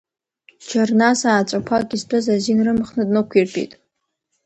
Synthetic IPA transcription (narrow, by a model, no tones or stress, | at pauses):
t͡ʃʰarnasaːt͡ʃʷʼakʷʰaɡʲistʷʼɨzazinrɨmχnɨdʼnokʷʰirpʰʼḭtʼ